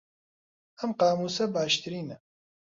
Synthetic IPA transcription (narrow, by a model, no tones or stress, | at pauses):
ɐmqɑːmuːsɐbaːʃt̪ɨɾiːnɐ